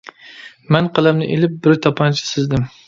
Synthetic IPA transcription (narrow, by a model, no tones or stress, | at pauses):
mɛnqʰɨlˠæmnɪ̰ʔelɪp̚bɪɾt̪ʰɑpʰɑnt͡ʃʰɪ̥sɪzd̪ɪm